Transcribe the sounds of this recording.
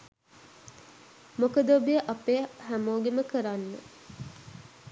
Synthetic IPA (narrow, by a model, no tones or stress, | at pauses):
mokəd̪obijəʔapeːɦæmoːɡeməkəɾanːə̰